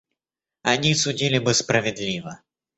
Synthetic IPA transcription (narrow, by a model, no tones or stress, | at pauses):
ɐnʲisʊdʲilʲɪbɨspɾəvʲɪd̪lʲivə